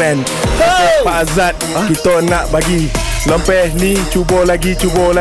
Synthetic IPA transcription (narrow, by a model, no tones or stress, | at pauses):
ɛn | kəaazat̪̚kit̪oənãʔbaɡi | ləmpɛhnit͡ʃubɔlaɡit͡ʃubɔla